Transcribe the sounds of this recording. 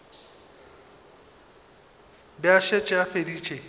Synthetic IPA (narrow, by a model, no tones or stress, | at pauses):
bɪaʃet͡ʃʼɛafediːt͡ʃʼe